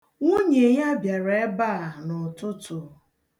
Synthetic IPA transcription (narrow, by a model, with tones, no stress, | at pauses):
o˦ɲe˨ja˦bja˨ɾe˨e˦ba˦˨nʊ˨tʊ˦tʊ˨